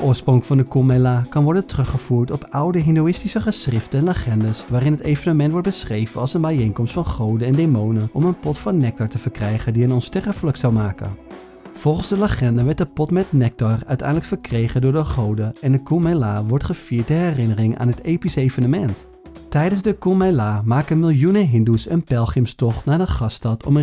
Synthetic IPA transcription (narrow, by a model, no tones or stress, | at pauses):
əʔʊːsproŋəkfɑndəkumɛlaːkɑnʋɔɹdəntrɵχəvuːɹtɔpʌwdəɦɪndowɪstisəχəsrɪftəɛnləχɛndəsʋaːrɪnɦətejvənəmɛntʋɔɹt̚bəsχrejvənɑlˠsənbɛjejnkɔmstfɑnχowdəɛndemownənɔmənpɔtfɑnːɛk̚tɔɹtəvəɹkrɛjχəndiənɔnstɛrəfələksɑwmaːkə̰n | v̥ɔlˠχənzdələχɛndəʋɛɹtdəpɔtmɛt̚nɛk̚tɔrœɥtɛ̰jndələkfəɹkrejχəndʊːɹdəχowdəɛndəkumɛlaːʋɔɹtχəfiːɹt̚dəɦɛrɪnərɪŋa̰ːnɦətejpisejvənəmɛnt | tɛjdənzdəkumɛjlaːmaːkəmɪlˠjunəɦɪndusənpɛlˠχɪmstɔχnaːdəχɑstɑtʰɔ̰mə